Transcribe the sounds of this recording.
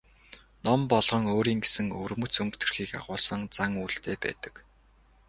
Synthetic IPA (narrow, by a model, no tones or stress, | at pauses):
nɔmpɔɮʁɞ̆ŋoːɾiːŋɡesɘ̆ŋɵrmɵ̆t͡sɵŋkt̪ʰɵ̆rxiːka̰ʁʊːɮsɞ̆ŋt͡saŋuːɬt̪ʰeːpæ̰ːt̪ə̥̆k